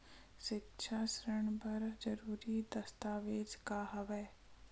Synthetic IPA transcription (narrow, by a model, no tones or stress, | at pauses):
ʃɪkʃʰaːsɾəɳ̃pɐɾd͡ʒɐɾuːɾid̪ɐst̪aːʋeːd͡ʒkaːɦɐʋɛː